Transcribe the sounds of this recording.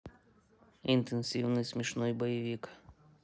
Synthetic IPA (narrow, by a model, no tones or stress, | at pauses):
int̪ɛnsʲiwnɨsʲmʲiʃnɔjbɔjiʋʲik